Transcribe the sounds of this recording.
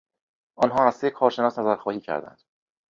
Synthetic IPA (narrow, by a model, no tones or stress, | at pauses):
ʔɒnɦɒːɾæsejekʰɒːɾʃe̞nɒːsnæzæɾxɒːhiːcʰæ̰ɾd̪æ̰nd̪̥